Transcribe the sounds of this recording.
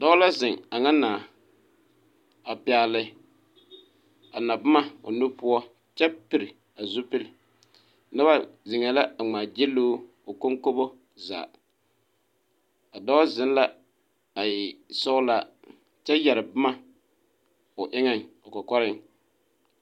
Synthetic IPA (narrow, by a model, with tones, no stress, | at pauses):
dɔ˦la˦zɪ˨ŋa˨ŋa˦naː˨ | a˨pɪ˨a˨lɪ˨ | a˨na˨ba˦ma˦ʊ̰˨nʊ˦pʊ˦ɔ˦ | t͡ʃɛ˦pi˨ɾɪ˨ | a˨zʊ˦pɪ˦lɪ˨ | na˦ba˦zɪ˨ŋɛ˨la˦a˨ŋ͡maː˨d͡ʒɪ˦loː˦ | ʊ˨ko˦ŋko˦bo˦ | za̰ː˨ | a˨dɔ˦zɪ˦n˦la˦ | a˨jɪ˨sɔ˦ʊ˦la˦ | t͡ʃɛ˦jɛ˨ɾɪ˨ba˦ma˦ | ʊ˨ʔɪ˦ŋɛ˦ŋʊ˨kɔ˨kɔ˦ɾɪ˦ŋ